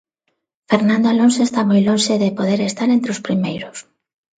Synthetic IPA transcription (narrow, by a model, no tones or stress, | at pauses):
feɾnãnd̪oalonsoest̪amojlonʃeðepoðeɾest̪aɾent̪ɾeospɾimejɾʊs